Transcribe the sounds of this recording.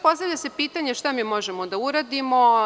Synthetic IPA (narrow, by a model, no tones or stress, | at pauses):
po̞st̪avʎʲase̞piːt̪aɲeʃt̪amiːmo̞ʒemod̪auɾad̪imo